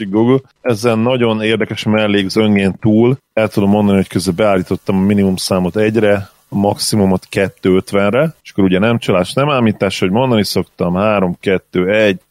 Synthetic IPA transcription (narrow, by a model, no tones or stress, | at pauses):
iɡɡuɡul | ɛzɛnːɒɟo̞neːrd̪ɛkɛʃmɛlːeːɡzøŋɡeːnt̪uːlɛlt̪ud̪omːo̞nd̪ɒniho̞ckøzɛlbɛaːlːiːt̪o̞t̪ːɒmɒminimumsaːmo̞t̪ɛɟrɛ | mɒksimumo̞t̪kɛt̪ːøːøt̪ʋɛnrɛʃɒ̥koɾuɟɛnɛmt͡ʃɒlaːʃt̪nɛmaːmiːt̪ːaːʃɒɦoɟmo̞nd̪ɒniso̞kt̪ɒmhaːɾo̞mkɛt̪ːøːɛɟ